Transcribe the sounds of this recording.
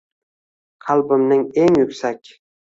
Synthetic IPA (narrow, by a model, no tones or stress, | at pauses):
qʰɑlˠbɪmnɪŋeŋjʊkʲsakʲ